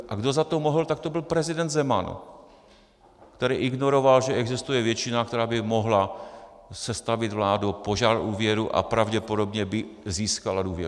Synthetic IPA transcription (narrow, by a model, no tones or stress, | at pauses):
ʔaɡdozat̪omoɦlt̪ak̚t̪obɪlpɾɛzɪdɛnd̪zɛmanṵ | kt̪ɛɾɛːʔiɡnoɾovalʒɛɛɡzist̪ujɛvjɛt͡ʃinakt̪ɛɾaːbɪmoɦla | sɛst̪avid̪vlaːdupoʒaɾʔuːvjɛɾuʔa̰pɾavɟɛpodo̞bɲɛbɪziːskaladuːvjɛ̰ɾu